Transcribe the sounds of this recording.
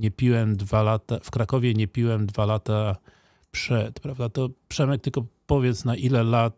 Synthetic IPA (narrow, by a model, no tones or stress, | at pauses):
ɲɛpʲiwɛmd̪valat̪afkɾakɔvʲjɛɲɛpʲiwɛmd̪valat̪a | pʂɛt̪pɾavd̪at̪ɔpʂɛmɛk̚t̪ɘlkɔpɔvʲjɛt̪snaʔilɛlat̪̚